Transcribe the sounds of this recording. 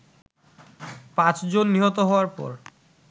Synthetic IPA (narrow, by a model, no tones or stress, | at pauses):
pãt͡ɕd͡ʑonːiɦot̪oɦɔoaɾpɔ̰ɾ